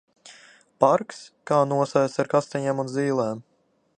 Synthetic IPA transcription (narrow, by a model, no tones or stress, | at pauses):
paɾkskaːnuɔsaj̪aɾkast̪ɛɲɛːmunziːlˠɛːm